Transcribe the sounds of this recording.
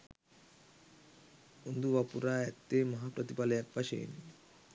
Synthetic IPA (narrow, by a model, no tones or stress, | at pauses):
und̪uʋɐpuɾaːɐt̪ːeːmɐɦapɾɐt̪ipɐlɐjɐkʋɐʃḛːni